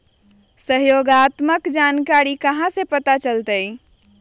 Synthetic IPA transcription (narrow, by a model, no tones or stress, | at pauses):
səɦjoɡat̪məkd͡ʒankaɾikəɦãsepət̪at͡ʃəlt̪əj